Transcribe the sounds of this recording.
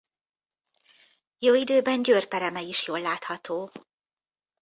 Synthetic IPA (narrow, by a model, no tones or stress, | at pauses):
joːid̪øːbɛɲɟøːrpɛɾɛmɛiʃjoːlːaːt̪hɒt̪oː